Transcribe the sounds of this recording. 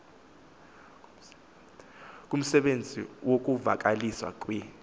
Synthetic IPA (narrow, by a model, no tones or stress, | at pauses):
k̬ʼum̩sɛɓend͡zʱḭwok̬ʼuva̰k̬ʼaliswa̰k̬ʼwɛ